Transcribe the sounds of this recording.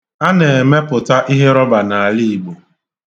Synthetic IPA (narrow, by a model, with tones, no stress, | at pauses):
a˦ne˨e˨me˦pʊ˨ta˦ʔi˦ɦe˦ɾɔ˦ba˨na˨a˨li˦˨bo˨